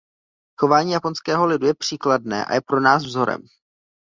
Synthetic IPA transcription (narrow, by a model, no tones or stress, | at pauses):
xo̞vaːɲiːjapo̞nskɛːɦo̞lɪdujɛpr̝̥iːkladnɛ̰ːʔa̰jɛpɾo̞naːsvzo̞ɾɛ̰m